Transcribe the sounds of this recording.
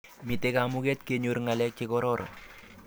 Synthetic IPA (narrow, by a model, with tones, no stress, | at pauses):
mi˨te˦kamu˦ke˦t̪̚ke˨ɲu˨ɾŋa˨lɛ˦k̚t͡ʃikɔ˦ɾɔɾʔɔ̰˨